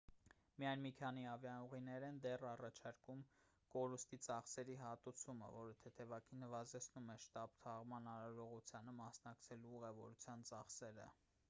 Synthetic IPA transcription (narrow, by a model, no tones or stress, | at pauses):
mijɑjnmikʰɑn̪iɑvjɑuʁinɛɾɛnd̪ɛrɑrɑt͡ʃʰɑɾkum | kɔɾust̪it͡sɑχsɛɾiɦɑt̪ut͡sʰumə̰vɔɾət̪ʰɛt̪ʰɛvɑkʰinəvɑzɛt͡sʰnumɛʃt̪ɑb̚t̪ʰɑʁmɑnɑɾɑɾɔʁut͡sʰjɑnəmɑsnɑkt͡sʰɛluuʁɛvɔɾut͡sʰjɑnt͡sɑχsɛɾə̰